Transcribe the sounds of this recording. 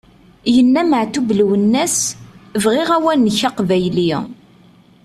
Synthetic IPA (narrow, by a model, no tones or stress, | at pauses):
jənːæməʕt̪ublwənːæsəvʁɪʁæwænːəçɑqvæjli